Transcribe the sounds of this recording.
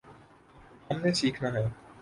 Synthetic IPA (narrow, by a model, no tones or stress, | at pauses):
hɐmnesiːkʰnaɦɛː